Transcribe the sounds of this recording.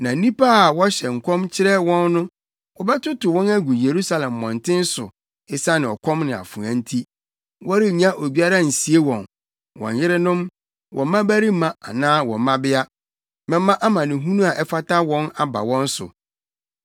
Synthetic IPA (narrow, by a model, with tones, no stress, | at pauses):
nã˨˦nĩ˦pa˦a˨wɔ˦ɕɛ˨ŋ̩˨kʷʰɔ̃˦mt͡ɕʰɪ˦ɾɛ˦wɔ̃˦nːʊ̃˦ | wɔ˦bɛ˦tʊ˦tʊ˨wɔ̃˦næ˦ɡu˨je˨ɾu˦sa˦lɛ̃˨mːɔ̰̃˨n˨tʰɪ̃˦n̩˦sʊ˨ | ɪ˨sa˦nɪ̃˨ɔ˨kʰɔ̃˦mnɪ̃˨a̰˨fũ˨ã˦n̩˦tʰi˦ | wɔ˦ɾɪ˦˨ɲã˦ʔo˨bi˦a˦ɾa˦n̩˨si˨e˦wɔ̃˨n | wɔ̰̃˨ɲ˨jɪ˦ɾɪ˦nʊ̃˦m | wʔɔ̰̃˨mã˦bæ˦ɾi˦mã˦a̰˨nãː˦wɔ̰̃˨mã˦bɪ˦a˦ | mɛ̃˨˦mːã˦ʔa˦mã˨nɪ̃˨ɦũ˦nũ˦a˨ʔɛ˦fa˦ta˦wɔ̃˦na˨ba̰˨wɔ̃˦n˦sʊ̰˨